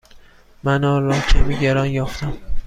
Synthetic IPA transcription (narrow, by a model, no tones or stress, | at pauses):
mænɒːɾɒːcʲʰæmiɟeɾɒːnjɒːft̪æm